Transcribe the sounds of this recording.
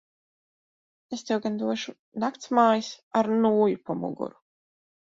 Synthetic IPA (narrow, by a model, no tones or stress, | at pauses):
est̪ewɡand̪uɔʃu | nakt̪smaːjisaɾnuːjupɔmṵɡṵɾu